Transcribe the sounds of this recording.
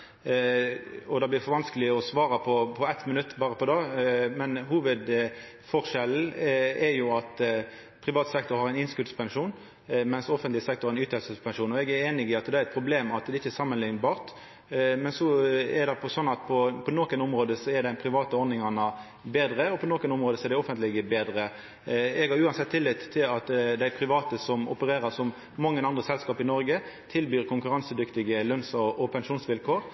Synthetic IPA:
ɔd̪ɑblɪɾfɔʋɑnskəlɪɔsʋɑːɾɑpʰɔpʰɔɛt̪ːmənʉt̪ːbɑːʁəpɔd̪ɑmɛnɦuːʋəd̪ | fɔʁʂɛl̩ɛɾjʊɑt̪ | pʰɾɪʋɑːt̪sɛk̚t̪ɔɾhɑʁɛɪnɪnskʉlt̪spʰɛnʂuːn | mɛnsɔfət̪lɪəsɛk̚t̪ɔɾɑɛnʉːt̪ʰɑlsəspʰɛnʂuːnɔɛɡæɾeːnɪɡɪɑt̪d̪ɛæɾɛt̪pʰɾʊbleːmɑt̪̚d̪ɛɪçːəɛsɑmːənlɪŋnbɑːʁt̪ | mɛnsɔɛd̪ɛpʰɔsɔnːɑt̪pʰɔpʰɔnɔkənɔmʁoːd̪əsɔɛd̪æɪnpʰɾɪʋɑːt̪əɔɾnɪŋɑnə | beːd̪ʁəɔpʰɔnɔkənɔmʁoːd̪əsɔɛdɛɪɔfənt̪lɪɡəbeːd̪ʁə | ɛɡhɑɾʉːɑnsɛt̪ʰːɪlːɪt̪ʰːɪlɑt̪d̪æɪpʰʁɪʋɑːt̪əsɔmɔ̰pəɾeːɾəsɔmː | ɑŋːənɑnd̪ʁəsɛlskɑːpɪnɔɾɡə | t̪ʰɪlbyːʁkʰʊŋkʉʁɑnsəd̪ʏkt̪ɪɡəlœnsɔʔɔpʰɛnʃuːnsʋɪlkʰoːʁ

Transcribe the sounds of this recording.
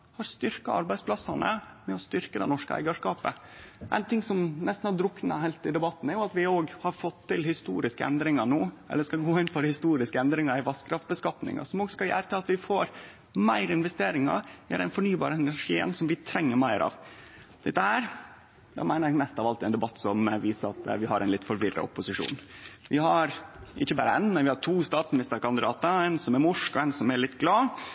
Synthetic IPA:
hɑɾst̪ʏɾkɑ̰ɑ̰ɾbæɪspʰlɑsːɑnə̰mɛɔst̪ʏɾkəd̪ɛ̰nɔʂkəæ̰ɪɡɑʂkɑːpə | ʔæ̰ɪnt̪ʰɪŋsɔmnɛst̪n̩hɑɖ̪ɾʊknɑ̰hæɪlt̪ɪd̪ɛbɑt̪ːn̩ɛɾjʊɑt̪ʋɪoːɡhɑɾfɔt̪ʰːɪlhɪst̪ṵːɾɪskəɛ̰nd̪ɾɪŋɑnoːɛ̰lːəʂskɑɡoːɪnfɔɾhɪst̪uːɾɪskəɛnd̪ɾɪŋɑɪʋɑskʰɾɑft̪̚bəskɑpnɪ̰ŋɑ̰sɔmoːɡskɑjæ̰ːɾət̪ʰɑːɑt̪ʋɪfoːɾ | mæɪɾɪnʋɛst̪eːɾɪŋɑ̰ɪd̪ɛ̰nfɔɳyːbɑːɾəɛnæʂiːə̰nsɔmʋɪt̪ʰɾɛŋːəɾmæɪɾʔɑ̰ʋ | d̪̥ɪt̪ːəhæːɾ | d̪ɑ̰mæɪnəɾæmɛst̪ɑʋɑlt̪ɪɛɪnd̪ɛbɑt̪ːsɔmʋiːsəɾɑt̪ʋɪɦɑɾɛɪnlɪt̪fɔɾʋɪɾə̰ʊ̰pːʊsɪʂṵːnʋɪhɑɾɪçːəbɑːɾəɛnmɛnʋɪhɑʈʰuːst̪ɑːt̪smɪnɪst̪əɾkʰɑnd̪ɪd̪ɑːt̪əɛːnsɔmɛɾmʊʂkɔɛːnsɔmɛɭɪt̪ɡlɑː

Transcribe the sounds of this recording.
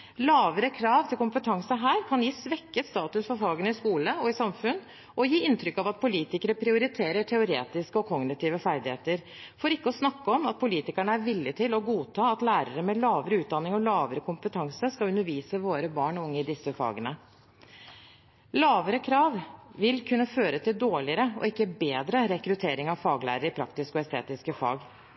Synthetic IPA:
lɑːʋəɾəkʰɾɑːʋt̪ʰɪlkʊmpət̪ʰɑŋsəɦæːɾkʰɑnjiːsʋɛkːət̪st̪ɑːt̪ʉsfɔɾfɑːɡənəɪskuːləɔɪsɑmfʉn | ʔɔjiːɪnt̪ʰɾʏkːɑʋɑt̪̚pʰʊliːt̪ɪkəɾəpʰɾɪʊɾɪt̪ʰeːɾəʈʰɛʊɾeːt̪ɪskəɔkʰɔŋnɪt̪iːʋəfæɾd̪ɪhḛːt̪əɾ | fɔɾɪkːəɔsnɑkːəɔmɑt̪̚pʰʊliːt̪ɪkæɳəæɾʋɪlːɪt̪ʰɪlɔɡuːt̪ʰɑːɑt̪læːɾəɾəmɛlɑːʋəɾəʉːt̪̚d̪ɑnːɪŋɔlɑːʋəɾəkʊmpət̪ʰɑŋsəskɑʉnːəɾʋiːsəʋoːɾəbɑːɳɔʊŋːəɪd̪ɪsːəfɑ̰ːɡənə | lɑːʋəɾəkʰɾɑːʋʋɪlkʰʉnːəføːɾət̪ʰɪld̪oːɭɪəɾəɔ̰ɪkːəbeːd̪ɾəɾɛkɾʉt̪ʰeːɾɪŋɑʋfɑːɡlæ̰ːɾəɾɪpʰɾɑkt̪ɪskɔɛst̪ʰḛːt̪ɪskəfɑ̰ːɡ

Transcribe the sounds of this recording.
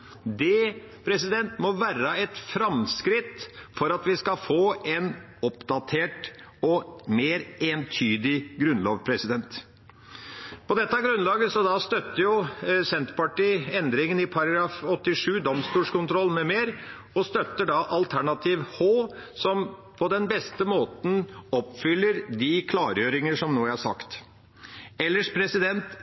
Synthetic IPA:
d̪ɛ | pʰɾɛsɪd̪ɛnt̪mɔʋæːɾəɛt̪fɾɑmskɾɪt̪fɔɾɑt̪ʋɪskɑfoːɛn | ɔpd̪ɑt̪ʰeːʈɔmeːɾeːnt̪ʰyːd̪ɪɡɾʉnlo̰ːʋpʰɾɛsɪd̪ɛnt̪ | pʰɔd̪ɛt̪ːəɑɡɾʉnlɑːɡəsɔd̪ɑst̪œt̪ːəɾjʊsɛnt̪ɾpɑʈiːɛnd̪ɾɪŋənɪpʰɑɾɑɡɾɑːfɔt̪ːɪʂʉːd̪ɔmst̪uːʂkʊnt̪ʰɾɔlːmɛmeːɾ | ɔst̪œt̪ːəɖɑʔɑlt̪ʰæɳɑt̪ʰiːʋhoːsɔmpʰɔd̪ɛnbɛst̪əmoːt̪n̩ɔpfʏlːəɾd̪ɪkʰlɑːɾjøːɾɪŋəʂɔmnoːɑʂɑ̰kt̪ | ɛlːəʂpʰɾɛsɪd̪ɛnt̪

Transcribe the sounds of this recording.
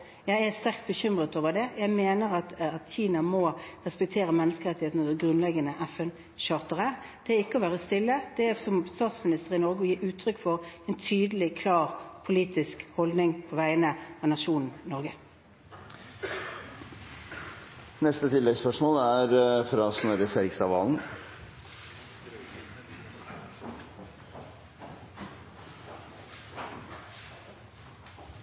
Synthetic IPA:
jæɪæst̪æʁk̚t̪̚bəçʏmʁəd̪oːʋəd̪ɛjæɪmeːnəʁɑt̪ɑt̪çiːnɑmɔʁɛspɛk̚t̪ʰeːɾəmɛnːəskəʁɛt̪ːɪheːt̪n̩ʉnd̪əɡʁʉnlɛɡɑnəʔɛfɛn | ʃɑːʁt̪əʁəd̪̥ɛɪkːəɔʋæːʁəst̪ɪlːəd̪̥ɛæsɔmst̪ɑːt̪smɪnɪst̪əʁɪnɔɾɡəɔjiːʔʉːt̪ʰɾʏkːfɔʁɛɪnt̪ʰyːd̪əlɪkʰlɑːʁpʰʊliːt̪ɪskhɔld̪nɪŋpʰɔʋæɪənəɑːnɑʃuːnn̩ɪnɔʁɡə | nɛst̪ət̪ʰɪlːɛɡspœʂmoːlæɾfɾɑːsnɔɾəseɾɪkst̪ɑʋɑ̰ːln̩

